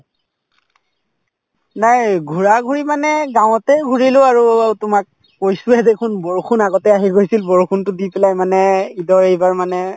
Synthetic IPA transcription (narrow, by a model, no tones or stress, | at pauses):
najɡʱuɹaɡʱuɹimanɛɡaw̃ɔtɛɡʱuɹilʊaɹuatʊmak̚ | kojsʊɛdekʰunbɔɹkʰunaɡɔtɛaɦiɡojsilbɔɹkʰuntʊdipɛlajmanɛidɔɹejbaɹmanɛ